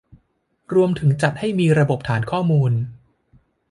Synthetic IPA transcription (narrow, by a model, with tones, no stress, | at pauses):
ɾu˧əmt̪ʰɯ˩˦ŋt͡ɕa˨˩t̪̚ha˥˩jmiː˧ɾa˧bo˨˩p̚t̪ʰaː˩˦nkʰɔː˥˩muː˧n